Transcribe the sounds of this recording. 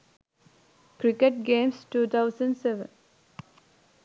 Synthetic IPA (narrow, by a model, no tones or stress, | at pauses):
kɾɪkəʈ̚ɡẽːmsʈuːt̪ʰaʊsə̃ɳɖseʋə̰̃n